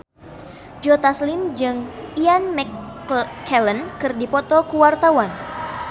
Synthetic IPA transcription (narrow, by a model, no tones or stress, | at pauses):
d͡ʒɔt̪aslimd͡ʒɨŋianmɛkʰː | ɛlənkɨrdipɔt̪ɔkuwart̪awan